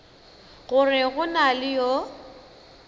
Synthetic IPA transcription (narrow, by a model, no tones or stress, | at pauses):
ɣʊrɪɣʊnalɪjo